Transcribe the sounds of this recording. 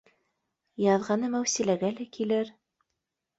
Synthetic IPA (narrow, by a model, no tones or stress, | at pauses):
jɑðʁɑnɤmæwsilæɡælækʰilɘɾ